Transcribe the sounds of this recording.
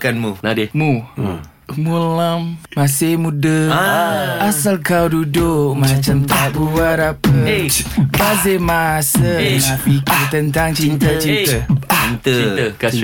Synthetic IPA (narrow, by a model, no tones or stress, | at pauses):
kanmunadmu | mulamːasɪhmudə | asalkawdudʊkmat͡ʃamt̪abuaɾapə | bazemasənapikit̪ənt̪aŋt͡ʃint̪ət͡ʃint̪əint̪ə